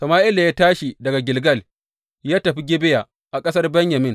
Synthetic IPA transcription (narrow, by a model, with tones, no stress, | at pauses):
sɐ˨maː˦ʔɪ˦la˨jaː˦taː˦ʃi˨dɐ˨ɡa˨ɡʲɪ˨lɡɐ˦˨l | jaː˦tɐ˨ɸi˦ɡʲɪ˦bɪ˦ja˨ | ʔa˨kʼɐ˦sɐ˦rbɛ˦ɲjɐ˨mɪ˦n